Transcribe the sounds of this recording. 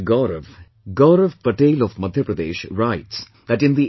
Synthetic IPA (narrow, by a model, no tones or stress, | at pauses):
ɡɔːɾəʋ | ɡɔːɾəʋpəʈeːlɔʋmʌd̪ʱjəpɾəd̪eːʃɾaɪʈs | d̪æʈɪ̃nd̪i